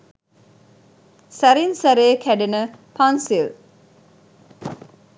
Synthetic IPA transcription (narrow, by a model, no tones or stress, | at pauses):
sæɾinsɐɾeːkʰæɖenəpʰansil